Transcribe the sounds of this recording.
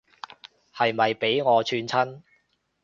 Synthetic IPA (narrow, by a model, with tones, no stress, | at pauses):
hɐ˨jmɐ˨jpe˨˥jŋɔː˨˧t͡ʃʰyː˧nt͡sʰɐ˥n